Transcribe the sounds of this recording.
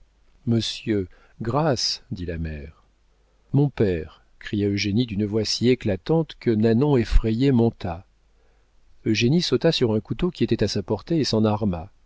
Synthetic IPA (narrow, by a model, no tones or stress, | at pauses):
məsjø | ɡʁasd̪ilamɛʁ | mɔ̃pɛʁ | kχijaøʒenid̪ynəvwasieklat̪ɑ̃t̪kənanɔ̃efχejemɔ̃t̪ʰa | øʒenisot̪asyʁɛ̃kut̪okʲiet̪ɛt̪asapɔʁt̪eesɑ̃naʁma